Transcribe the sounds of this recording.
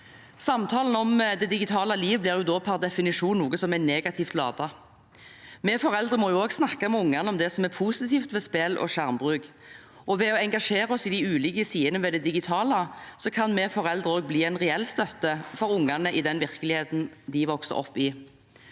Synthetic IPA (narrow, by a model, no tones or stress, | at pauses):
sɑmt̪ʰɑːln̩ɔmd̪ɛd̪ɪɡɪt̪ʰɑːləliːʋblɪːʁjʊd̪oːpʰæʁd̪ɛfɪnɪʂuːnnuːɡəsɔmɛneːɡɑt̪ʰiːft̪lɑ̰ːd̪ɑ | mɛːfɔɾɛld̪ʁəmɔjʊoːɡsnɑkːɑmɛʊŋːɑnəɔmd̪ɛsɔmɛpʰuːsɪt̪ʰiːft̪ʋɛspɛlʔɔ̰ɕæʁmbʁʉːɡ | ʔɔʋɛɔɛŋɡɑʂeːʁɔsɪd̪ɪʉːlɪɡəsiːənəʋɛd̪ɛd̪ɪɡɪt̪ʰɑːləsɔkʰɑnmɛːfɔʁɛld̪ʁəoːɡ̚bliːɛɪnʁɛɛlst̪œt̪ːəfɔɾʊŋɑnəʔɪd̪ɛnʋɪʁkəlɪheːt̪n̩d̪ɪʋɔksə̰ʁɔ̰pːɪ